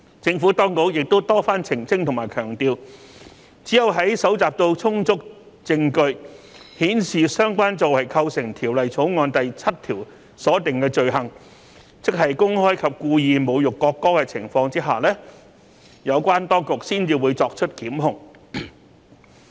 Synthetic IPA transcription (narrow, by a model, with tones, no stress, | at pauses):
t͡sɪ˧ŋfuː˨˥t̪ɔː˥ŋko˨˥wjɪ˨k̚t̪o˥wt̪ɔː˥faː˥nt͡sʰɪ˨˩ŋt͡sɪ˥ŋt̪ʰʊ˨˩ŋmaː˨˩jkʰœː˨˩ŋt̪iː˧w | t͡siː˨˥jɐ˨wɦɐ˨˥jsɐ˨˥wt͡saː˨p̚t̪o˧wt͡sʰʊ˥ŋt͡sʊ˥k̚ | t͡sɪ˧ŋkɵ˧ɥ | hiː˨˥nsiː˨sœː˥ŋkʷaː˥nt͡so˨whɐ˨jkʰɐ˧wsɪ˨˩ŋt̪ʰiː˨˩wlɐ˨jt͡sʰo˨˥wŋɔː˧nt̪ɐ˨jt͡sʰɐ˥t̚t̪ʰiː˨˩w | sɔː˨˥t̪ɪ˨ŋkɛː˧t͡ʃɵ˨˧ɥɦɐ˨˩ŋ | t͡sɪ˥k̚ɦɐ˨jkʊ˥ŋhɔː˥jkʰɐ˨p̚kuː˧jiː˨nmo˨˧wjʊ˨kːɔː˧kːɔː˥kɛ˧t͡sʰɪ̰˨˩ŋfɔː˧ŋt͡siː˥ɦaː˨lɛː˥ | jɐ˨˧wkʷaː˥nt̪ɔː˥ŋkʊ˨k̚siː˥nt͡siː˨wu˨˧jt͡sɔː˧k̚t͡ʃʰɵ˥t̚kiː˨˥mɦʊ˨˩ŋ